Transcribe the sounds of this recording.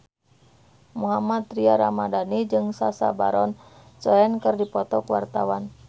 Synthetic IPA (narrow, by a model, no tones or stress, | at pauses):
muɦamat̪ɾiaɾamadanid͡ʒɨŋsasa̰ba̰ɾɔnt͡ʃɔɛnkɨrdipɔt̪ɔkuwa̰rt̪awan